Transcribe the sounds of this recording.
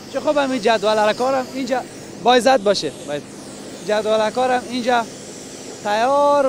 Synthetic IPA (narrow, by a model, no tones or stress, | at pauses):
t͡ʃʰixubamid͡ʒad̪walaɾkɔɾamind͡ʒa | bɔjzat̪̚bɔʃeba | d͡ʒad̪walakɔɾamind͡ʒa | t̪ʰajɔɾ